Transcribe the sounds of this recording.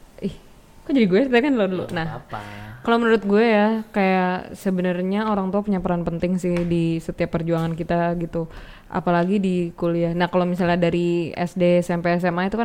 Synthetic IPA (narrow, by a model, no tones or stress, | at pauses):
ɪh | kad͡ʒadiɡuɛst̪akanladulṵnah | kalomənuɾʊt̪̚ɡuɛjakajaʔsəbənərɲaoɾaŋt̪uapuɲapəɾanpənt̪ɪŋsɪhdisət̪iapːərd͡ʒuaŋankit̪aɡit̪u | ʔa̰palaɡidikulianahkalomisalɲadaɾiɛ̰sdesɛmpeːs̬ɛmait̪uka